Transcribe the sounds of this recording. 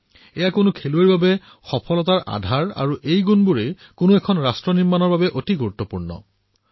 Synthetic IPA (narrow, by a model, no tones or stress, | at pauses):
ejakʊnukʰelueɹbabɛ | xɔpʰɔlɔtaɹʔa̰dʱaɹa̰ɹuʔejɡunbuɹejkʊnuɛkʰɔnɹastɹɔniɹmanɔɹbabɛʔotiɡuɹut̪ːopuɹnɔ̰